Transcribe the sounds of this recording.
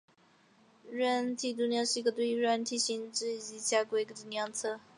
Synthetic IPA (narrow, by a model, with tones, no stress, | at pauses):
ɻə˥˩nt̪ʰi˥˩t̪̬u˥˧njɑ˥˧ŋʂɻ̩˥˧˥ɡə˧we˥˧i˧˥ɻə˥˧˥nt̪ʰi˥˩ɕi˧˥nʈ͡ʂɻ̩˥˩˧i˧˥t͡ɕja˥kwe˥˩ɪ˧kə˧˩t̪u˧njɑ˥ŋt͡sʰɤ˥˧